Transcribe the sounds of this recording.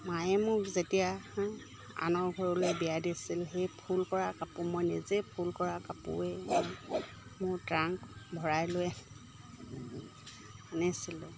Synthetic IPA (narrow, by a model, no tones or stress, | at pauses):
majɛmʊɹzetija | a̰nɔɹɡʱɔɹɔlojbijadisilxejpʰulkɔɹakapumɔjnizepʰulkɔɹakapṵɛ | mʊɹtɹaŋkbʱɔɹajlʊjɛ | anɛsilɛ